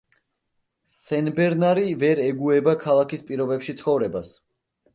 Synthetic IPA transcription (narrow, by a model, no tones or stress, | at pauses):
sɛnbɛɾnaɾivɛɾɛɡuɛbakʰalˠakʰispʼiɾɔbɛpʃit̪sʰχɔvɾɛbas